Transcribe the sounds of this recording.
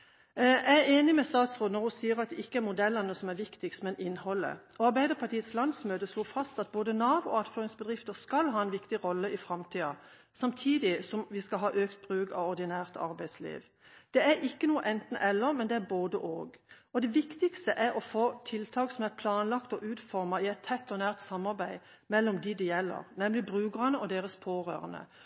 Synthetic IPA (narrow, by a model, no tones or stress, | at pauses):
æɪeːnɪmɛst̪ɑːt̪sʁoːnɔʁʊsiːəʁɑt̪̚d̪ɛɪkːəæɾmʊd̪ɛlːənəsɔmæɾʋɪkt̪ɪkst̪mɛnɪnːhɔlːə̰ɔɑɾbæɪd̪əʁpʰɑt̪iːət̪slɑnd̪smøːt̪əsloːfɑst̪ɑt̪̚boːd̪ənɑːbʊɑt̪føːʁɪŋsbəd̪ʁɪft̪əskɑlɦɑːɛnʋɪkt̪ɪʁɔlːəɪfʁɑmt̪ʰiːɑ | sɑmt̪ʰiːd̪ɪsɔmʋɪskɑlɦɑːʔøːkt̪̚b̥ʁʉːɡɑ̰ʋɔʁd̪ɪnæːʁt̪ɑ̰ɾbæɪd̪slḭːʋ | d̪̥ɛæɾɪkːənuːəʔɛnt̪n̩ʔɛlːəmɛnd̪ɛæboːd̪əʔoːɡ | ɔd̪ɛʋɪkt̪ɪkst̪əʔæɾɔfoːt̪ʰɪlt̪ʰɑːksɔmæʁpʰlɑːnlɑkt̪ɔʔʉːt̪fɔʁmɑɪɛɪt̪t̪ʰːɛt̪ːɔnæːʁt̪sɑmːɑʁbæɪ | mɛlːɔmd̪ɪd̪ɪjɛlːə̰ʁnɛmlɪbʁʉːɡəʁɑnəɔd̪eːʁəspʰoːʁø̰ːʁənə̰